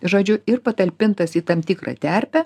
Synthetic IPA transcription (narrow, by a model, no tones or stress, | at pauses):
ʒoːd͡ʒʲʊɪrpɐt̪ɐlʲpʲɪnt̪ɐsiːt̪ɐmt̪ʲɪkɾɐ̰t̪ʲæɾʲpʲɛ